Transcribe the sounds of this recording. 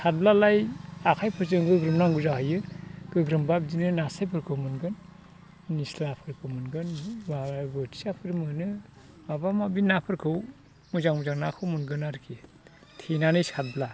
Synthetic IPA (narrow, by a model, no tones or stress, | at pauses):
sat̚blalajakʰajpʰɯɾzɯŋɡɯɡɾɯmnaŋɡuzaɦajɯɡ̥ɯɡɾɯmbab̚d͡ʒinɯnasajpʰɯɾkʰɯwmɯnɡɯnː | islapʰɯɾkʰɯwmɯnɡɯnabɯtʰi̥sapʰɯɾmɯnɯ | mabamabinapʰɯɾkʰɯw | muzaŋmuzaŋnakʰɯwmunɡɯnaɾkʰi | tʰenanɯjsat̚bla